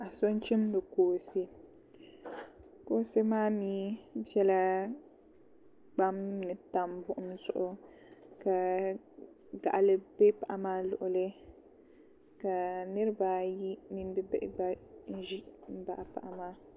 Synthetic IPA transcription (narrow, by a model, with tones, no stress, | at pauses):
a˨so˦n˦t͡ʃɪ˦m˦bɛ˨koː˨se˦ | koː˦se˦maː˦miː˦bjɛ˦la˦ | ɡ͡ba˦mnɨ˨ta˨mvʊ˦ʔʊ˦m˦zʊ˨ʔʊ˦ | ka˨ | ɡa̰˨ʔa˨lɨ˦bɛ˦pa˨ʔa˨maː˦lʊ̰˨ʔʊ˨lɪ˦ | ka˨nɨ˦ɾɨ˦ba˦ji˦mi˦n˦bɛ˦bɛ̰˦ʔɪ˦ba˦n̩˦ʒi˦m̩˦ba˨ʔa˨pa̰˨ʔa˨maː˦